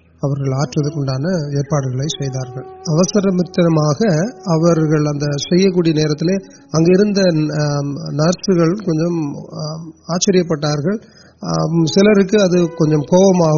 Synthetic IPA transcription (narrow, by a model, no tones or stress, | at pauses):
ɐʋɐɾɣɐɭaːʈrɐðɯkːɔɳɖaːnɐeːɾpaːɽɯɣɐɭɐɪsɛjðaːɾɣɐɭɐʋɐsɐɾɐmɪt̪ːɐnɐmaːɣɐɐʋɐɾɣɐɭɐnd̪ɐsɛjːɐk̬ːuːɽɪjɐneːɾɐt̪ːɪleː | ɐŋɡeɪɾɯnd̪ɐ | nɐɾsɯɣɐɭɯmkɔɲd͡ʒɔm | aːt͡ʃːɐɾɪjɐpːɐʈːaːɾɣɐɭ | sɪlɐɾɯkːɯɐðɯkɔɲd͡ʒɔmkoːʋɐmaːɣ